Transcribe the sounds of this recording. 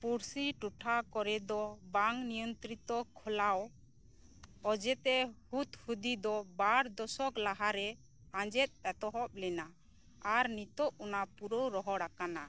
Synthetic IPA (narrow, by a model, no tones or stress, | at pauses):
puɾsiʈuʈʰakɔɾɛd̪ɔbaŋnijɔnt̪ɾit̪ɔkʰɔlaw | ɔd͡ʒɛt̪ɛhut̪hud̪id̪ɔbaɾd̪ɔsɔklaɦaɾɛ | ãd͡ʒɛt̪̚ˀɛt̪ɔɦɔp̚lɛna | aɾnit̪ɔʔunapuɾowɾɔɦɔɽakana